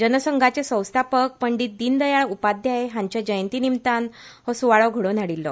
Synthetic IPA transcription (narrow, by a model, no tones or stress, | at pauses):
d͡ʑənəsəŋɡʱat͡sesə̃w̃st̪ʰapək̚pəɳɖit̪̚d̪iːnd̪əjaɭupad̪ʱjaɦeɦãɲt͡ɕjad͡ʑəjənt̪iːnimt̪anhɔsuʋaɭɔɡʱəɽɭonaɽilːɔ̰